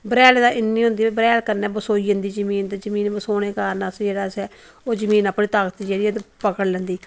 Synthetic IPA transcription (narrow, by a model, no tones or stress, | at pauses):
bɾɛːld̪aːɪnːiːɦʊ̃nd̪iːbɾɛːlkəɾnɛːbəsoːiːənd̪iːd͡ʒəmiːnt̪ezəmiːnbəsoːneːkaːɾnaːsd͡ʒeːɽaːsɛː | oːzəmiːnaːpniːt̪aːkət̪id͡ʒeːɽiːɛt̪epəkəɽlɛ̃ːnd̪iː